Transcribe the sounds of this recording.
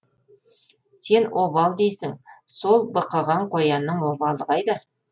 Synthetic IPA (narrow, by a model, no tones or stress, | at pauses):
se̞nwʔobɑlˠd̪ejsɪŋso̞lˠbəqɑʁɑɴqʰo̞jɑnːəɴwobɑlˠəʁɑjd̪ə